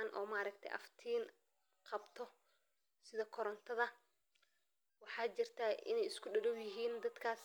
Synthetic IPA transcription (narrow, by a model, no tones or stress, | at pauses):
nʔɔ̰ːmaːɾɐkt̪ʰɛ̰jʔɐ̰ft̪ʰiːn | qɑbt̪ʰɔ | sɪðɐkʰɔɾɔnt̪ʰɐðɐ | wɑħɑːt͡ʃɪrt̪ʰaːʔɪ̰nɛjɪskʰʊɖɐlʊwjɪɦiːnd̪ɐd̪kʰaːs